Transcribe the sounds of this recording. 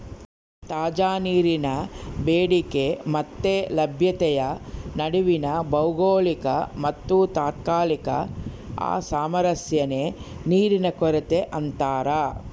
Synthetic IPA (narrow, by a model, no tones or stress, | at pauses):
t̪aːd͡ʒaːniːɾinɐbeːɽikemɐt̪ːelɐbʱjɐt̪ɛjɐnɐɽiʋinɐbɐwɡoːlikɐ̰mɐt̪ːut̪aːt̪̚kaːlikɐ̰ | a̰ːsaːmɐɾɐsjɐneːniːɾinɐkɔɾet̪eʔɐnt̪aːɾɐ